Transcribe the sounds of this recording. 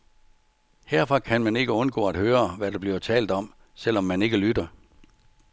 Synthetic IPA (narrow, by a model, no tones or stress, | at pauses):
heɐfɒ̽kʰænmæne̝ɡ̥əɔ̽nɡ̥ɔ̰̽ːæd̥høːɐʋæd̥eb̥liɐt͡sʰɛːld̥ɒ̽m̰ | sel̰ɒ̽mːæne̝ɡ̥əlyd̥ɐ